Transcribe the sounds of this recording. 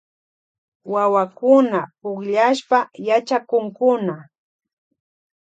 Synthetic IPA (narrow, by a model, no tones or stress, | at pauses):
wawakʊnapʊkʎaʃpajat͡ʃakʊŋkʊna